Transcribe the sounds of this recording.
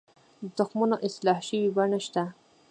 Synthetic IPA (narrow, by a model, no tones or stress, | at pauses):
zʊxmunoʔɪslɑhʃəwibaɳaʃt̪a